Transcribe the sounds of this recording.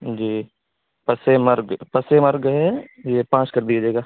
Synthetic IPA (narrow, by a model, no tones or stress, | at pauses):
d͡ʒiː | pɐsemɐɾɡpɐsemɐɾɡɦɛjepãːʃkɐɾd̪ijad͡ʒeːɡaː